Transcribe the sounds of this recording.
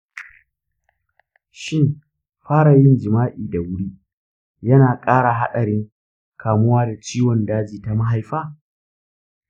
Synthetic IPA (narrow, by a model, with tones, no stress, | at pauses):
ʃɪ˦˨m | ɸaː˦ɽa˨jɪ˦nd͡ʒɪ˨maː˦ʔiː˨da˨wʊ˦ɽiː˦ | jɐ˦naː˨kʼaː˦ɽa˨ɦa˦ɗɐ˨ɽɪ˦ŋ | kʰaː˨mʊ˦waː˦da˨t͡ʃiː˦wɔ˨ndaː˦d͡ʒiː˨ta˨ma˦ɦa˨jɸaː˦